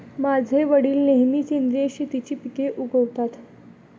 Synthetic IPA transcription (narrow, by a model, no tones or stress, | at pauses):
mad͡zʱeʋəɽiːlneɦmit͡ɕend̪ɾeɕit̪it͡ɕipikeʔuɡəʋt̪at̪